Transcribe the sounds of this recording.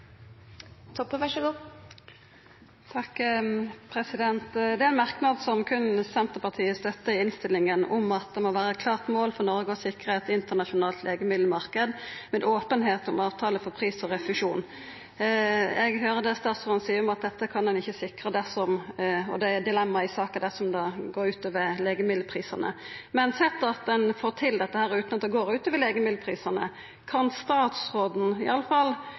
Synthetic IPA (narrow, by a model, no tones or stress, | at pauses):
t̪ʰɔpːəʋæʂɔɡuː | t̪ʰɑkː | pʰɾɛsɪd̪ɛnt̪d̪ɛːæɛnmɑʁknɑd̪sɔmkʰʉnsɛnt̪əpɑʁt̪ʰiːəst̪œt̪ːəɪɪnst̪ɪlɪŋənɔmɑt̪̚d̪ɛmoʋæːɾəɛt̪̚kʰlɑːʁt̪moːlfɔʁnɔʁɡəɔsɪkʁəɛt̪ɪnt̪əʁnɑʃʊnɑːlt̪lʔeːɡəmɪd̪ləmɑʁkəd̪mɛnʔoːpənɦeːt̪ɔmɑːʋt̪ʰɑːləfɔʁpʰʁiːsɔʁɛfʉʂuːn | ɛɡɦøːʁəd̪ɛst̪ɑːt̪sʁɔnsiːɔmɑt̪̚d̪ɛt̪ːəkʰɑnd̪ɛnɪçːəsɪkɾəd̪ɛsɔmɔ̰d̪ɛd̪ɪlɛmːɑɪsɑːkɑd̪æsɔmd̪ɑɡoːɾʉːt̪ɔʋəleːɡəmɪd̪lːəpʰʁiːsɑnə̰ | mɛnsɛt̪ːɑt̪d̪ɛnfoːɾt̪ʰɪld̪ɛt̪ːəhæːɾʉːt̪nɑt̪d̪ɛɡoːɾʉːt̪ɔʋəleːɡəmɪd̪əpʰʁiːsɑnə̰ | kʰɑnst̪ɑːt̪sʁoːd̪n̩ɪ̰ɑlːəfɑlː